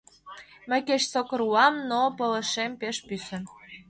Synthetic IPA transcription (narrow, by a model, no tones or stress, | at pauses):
mə̆jkeɕsokɤɾuɑmnopɤ̆lə̆ʃempeʃpysə̆